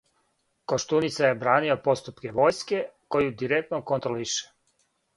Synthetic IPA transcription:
koʃt̪unit̪sajebɾaːnio̞po̞st̪upke̞ʋo̞ːjske̞ko̞jud̪iɾek̚t̪nokont̪ɾoliʃe̥

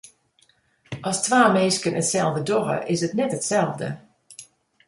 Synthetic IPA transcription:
ʔɔstʋaːmeːskənətsɛlˠvdədɔɣə̰ʔɪsətnɛtətsɛlˠvdə̰

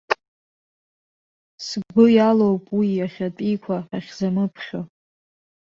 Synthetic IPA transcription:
sɡʷʊjalowpʼwiaχʲatʼikʷʰaaχʲzamɨpʰχʲo

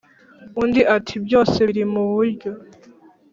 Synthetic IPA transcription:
undiʔatʰibjo̞ːse̞ɾimuβuɾɟo̞

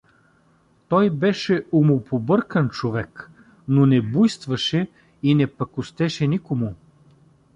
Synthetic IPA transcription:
t̪ɔjbɛʃɛomopʰobɤɾkənt͡ʃovɛk | nonɛbujst̪vɐʃɛ | inɛpɐkʊst̪ɛʃɛnikomʊ

